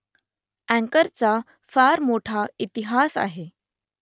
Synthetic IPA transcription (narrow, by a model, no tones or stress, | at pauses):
æ̃ŋkəɾt͡sa | faɾmoʈʰait̪iɦasa̰ɦe